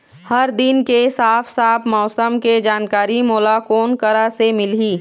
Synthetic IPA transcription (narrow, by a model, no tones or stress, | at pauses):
hɐɾd̪ɪnkesaːpʰsaːpʰmɔːsəmked͡ʒaːnkaːɾimoːlakoːnkəɾasemɪlɦiː